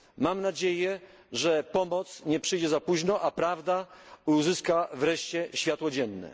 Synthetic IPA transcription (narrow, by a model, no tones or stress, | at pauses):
mamnad͡ʑejɛ | ʐɛpɔmɔt̪sɲɛpʂɘjd͡ʑɛzapuʑnɔʔapɾavd̪auzɘskavɾɛʂt͡ɕɛɕfʲjat̪wɔd͡ʑɛnːɛ̰